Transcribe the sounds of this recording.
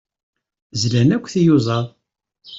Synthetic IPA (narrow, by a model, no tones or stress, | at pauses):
zlænækʷːθijuzˤɑðˤ